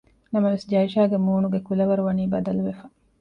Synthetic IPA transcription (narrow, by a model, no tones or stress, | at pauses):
nɐmɐʋesd͡ʒɐiʃaːɡemuːnuɡekulɐʋɐɾuʋɐniːbɐd̪ɐluʋefɐ